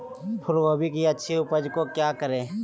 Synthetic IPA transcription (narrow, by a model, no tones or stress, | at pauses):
pʰɪɾʋoːbʱikiɐtːʃʰiʊpəd͡ʒkokjaːkəɾẽː